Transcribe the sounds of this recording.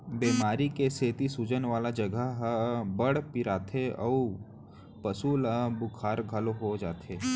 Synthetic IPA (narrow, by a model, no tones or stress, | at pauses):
beːmaːɾikeseːt̪isud͡ʒənʋaːlad͡ʒɐɡəɦbəɽpiɾaːt̪ʰeɔu | pəsuːləbʊkʰaːɾɡʱəloɦod͡ʒaːt̪ʰeː